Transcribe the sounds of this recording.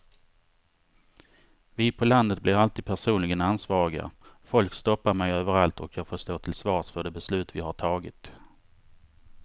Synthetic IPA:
vɪpʰɔland̪ət̪̚blɪɾalt̪iːd̪pʰæʂuːnlɪɡənansvɑːɾɪɡa̰fɔlkst̪ɔpːaɾmɛjøːvəɾalt̪ɔkʰjɑːɡfoːʂt̪oːt̪ʰɪlsvɑːʂfœɖɛbɛslʉ̟ːt̪vɪɦaʈʰɑːɡɪ̰t̪

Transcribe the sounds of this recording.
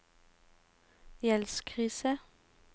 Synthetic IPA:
jɛlskʰʁiːsə

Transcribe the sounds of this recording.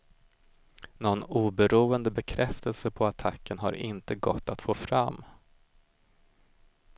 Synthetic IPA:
nɔnuːbɛɾuːənd̪əbɛkʰɾɛft̪ʰəlsəpʰɔat̪ʰakːənɦa̰ɾʔɪ̰nt̪əɡɔ̰t̪ːat̪foːfɾamː

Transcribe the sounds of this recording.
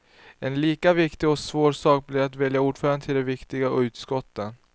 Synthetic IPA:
ɛnliːkavɪkt̪ɪɡɔsvoːɾsɑːk̚blɪɾat̪vɛljauːɖfœːɾand̪ət̪ʰɪld̪ɛvɪkt̪ɪɡaʉ̟ːt̪skɔt̪ːən

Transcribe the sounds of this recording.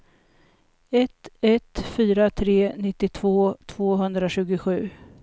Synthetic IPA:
ɛt̪ɛt̪fyːɾat̪ʰɾeːnɪt̪ːɪt̪ʰvoːt̪ʰv̥oːɦɵnd̪ɾaɕʉ̟ːɡʊɧʉ̟ː

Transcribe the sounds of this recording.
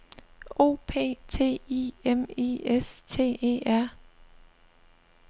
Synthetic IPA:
o̝̰ːpʰe̝̰ːt͡sʰe̝̰ːḭemiest͡sʰe̝̰ːḛːæɐ̰

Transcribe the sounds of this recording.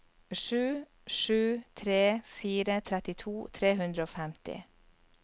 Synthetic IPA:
ʂʉː | ʂʉːt̪ʰɾeːfiːɾət̪ʰɾɛt̪ɪt̪ʰuːt̪ʰɾeːɦʉnd̪ɾəoːfɛmt̪ɪ̰

